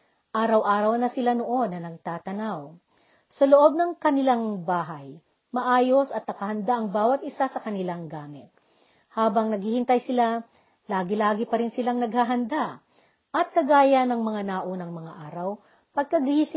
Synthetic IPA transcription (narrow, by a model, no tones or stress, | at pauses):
ʔaːɾɐwʔaːɾɐwnɐsɪlanoʔo̞nːɐnɐɡ̚t̪aːt̪ɐnaw | sɐloʔo̞b̚nɐŋkɐnɪlaŋbaːɦɐj | mɐʔaːjosɐt̪̚nɐkɐhɐnd̪aʔɐŋbaːwɐt̪̚ɪsasɐkɐnɪlaŋɡaːmɪt̪̚ | haːbɐŋnɐɡ̚hiːhɪnt̪ɐjsɪla | laːɡɪlaːɡɪpɐɾɪnsɪlaŋnɐɡ̚haɦɐnd̪a | ʔɐt̪̚kɐɡaːjɐnːɐŋmɐŋanaːʔonɐŋmɐŋaʔaːɾɐw | pɐɡ̚kɐɡhisɪ